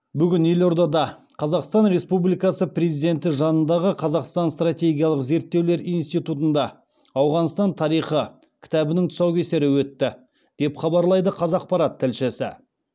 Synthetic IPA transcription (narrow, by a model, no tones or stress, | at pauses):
bʏɡʲɪnje̞lo̞ɾd̪ɑd̪ɑ | qʰɑzɑqst̪ɑnɾe̞spublijkɑsəpre̞zid̪e̞nt̪ɪʒɑnənd̪ɑʁəqʰɑzɑqst̪ɑnst̪rat̪ʲe̞ɡʲijɑlˠəqze̞ɾt̪ːe̞wle̞ɾijnst̪ijt̪ut̪ənd̪ɑ | ɑwʁɑnst̪ɑnt̪ʰɑɾijχə | kʲʰɪ̥t̪ɑbɪnɪŋt̪ʰʊ̥sɑwkʲe̞se̞ɾɪwɵt̪ːɪ | d̪̥e̞pχɑbɑɾlˠɑjd̪əqʰɑzɑq̚pɑɾɑt̪ʰːɪlʃɪsɪ̰